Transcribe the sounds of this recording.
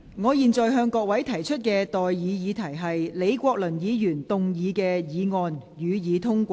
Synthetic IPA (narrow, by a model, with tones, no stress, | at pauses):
ŋɔː˨˧jiː˨nt͡ʃɔː˨jɦœː˧ŋkɔː˧k̚wɐ˨˥jt̪ʰɐ˨˩jt͡ʃʰɵ˥t̚kɛː˧t̪ɔː˨jːiː˨˧˥jiː˨˧t̪ʰɐ˨˩jɦɐ˨jle˨˧jkʷɔː˧k̚lɵ˨˩njiː˨˧jyː˨˩nt̪ʊ˨ŋjiː˨˧kɛː˧jiː˨˧ŋɔː˨˧njyː˨˧jiː˨˧t̪ʰʊ˥ŋkʷː